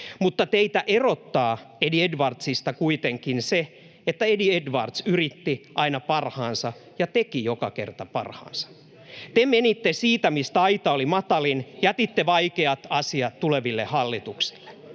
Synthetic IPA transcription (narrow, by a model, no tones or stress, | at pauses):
mut̪ːɑt̪eit̪æʔerot̪ːɑːediedʋɑrt̪sist̪ɑkuit̪eŋkinse | et̪ːæediedʋɑrt̪syrit̪ːiʔɑinɑpɑrhɑːnsɑ | jɑt̪ekijokɑkḛrt̪ɑpɑ̰rhɑ̰ːnsɑ̥ | t̪emenit̪ːesiːt̪æmist̪æɑit̪ɑolimɑt̪ɑlinjæt̪it̪ːeʋɑikeɑt̪ɑsiɑt̪t̪uleʋilːehɑlːit̪uksi̥lːe̥